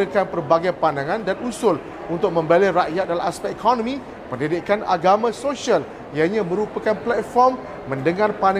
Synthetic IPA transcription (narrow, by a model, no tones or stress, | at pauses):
əkanpərbaɡajpandaŋãndanusʊl | unt̪ʊk̚mə̃mbaleɾaʔjat̪̚dalamaspɛk̚ikʰɔnɔ̃mĩ | pəndidiʔkana̰ɡamãsoʃial | jaɲãmə̃ɾupakanplɛt̪̚fɔrmː | ə̃ndəŋarpana